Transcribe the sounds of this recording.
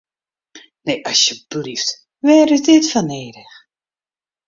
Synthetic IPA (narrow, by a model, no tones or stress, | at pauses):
neʔɑsjəb̥lift | ʋɛːɾɪdɪtfaneːɾəx